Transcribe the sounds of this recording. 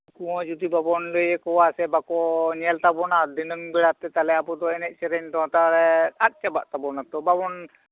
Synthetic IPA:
kuwɔ̃d͡ʒud̪ibabɔnləjɛkɔwasɛbakɔɲɛlt̪abɔnad̪inəŋbɛɽat̪ɛt̪alɛapɔt̪ɔɛnɛc̪̚ˀsɛɾɛɲt̪ɔɦɔ̃t̪aɾɛat̪̚ˀt͡ʃabaʔt̪abɔnat̪ɔbabɔn

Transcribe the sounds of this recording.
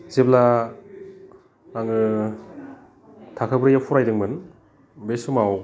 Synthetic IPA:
zebla | aŋɯ | tʰakʰɯbɾɯjapʰuɾajdɯŋmɯn | besɯmaw

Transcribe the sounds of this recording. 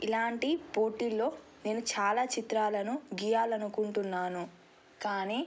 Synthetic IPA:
ilaːɳʈipo̞ːʈiːlːo̞ː | ne̞ːnut͡ʃaːlaːt͡ʃit̪ɾaːlɐnuɡijaːlɐnukuɳʈunːaːnu | kaːniː

